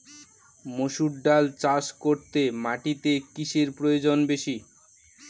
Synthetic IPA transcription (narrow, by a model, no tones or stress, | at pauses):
moʃuɖɖalt͡ɕaʃkoɾt̪emaʈit̪ekiʃeɾpɾojod͡ʑonbeʃi